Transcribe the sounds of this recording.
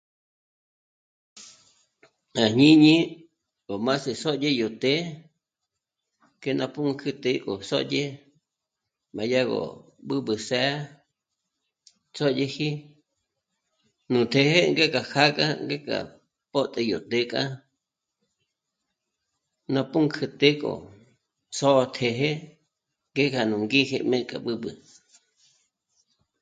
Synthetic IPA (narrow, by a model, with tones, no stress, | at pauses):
a˨hɲĩ˦ɲĩ˦ | ko˨mã˦se˨so˦de˦jo˨t̪e˦ | ke˦˧nʔã˧pu˦kʰɨ˦t̪e˦kʼo˨so̰˦ʔʄʲe˦ | mã˨ja˦ɣo̰˨ | ɓɨ˦ɓɨ˨sɛ˦ | t͡so˦ʄʲe˧hi˦ | nũ˨t̪ʰe˨he˦ŋɡe˦kʼa˨xʰa˦kʼa˦ŋɡe˦kʼa̰˨ | po˦t̪ʼe˧jo˨t̪e˧kʼa˦ | nã˧pu˦ŋkʰɨ˧t̪e˦kʼo̰˨ | so˦˧t̪ʰe˨ɦe˦ | ŋɡe˦kʰa˨nũ˨ŋɡi˦xe˧mẽ˦kʼa˨ɓɨ˦bɨ˨